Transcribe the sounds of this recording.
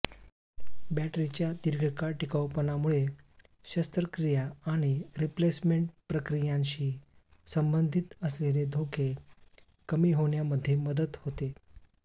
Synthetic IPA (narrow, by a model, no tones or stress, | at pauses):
bæʈɾit͡ɕjad̪iɾɡʱəkaʈikawpənamuɭe | ɕəst̪ɾəkɾijaaɽ̃iɾiplesmeɳʈpɾəkɾijãnɕiːsəmbənd̪ʱit̪əsleled̪ʱokʰe | kəmiːɦoɳ̃jaməd̪ʱːjeməd̪ət̪hot̪e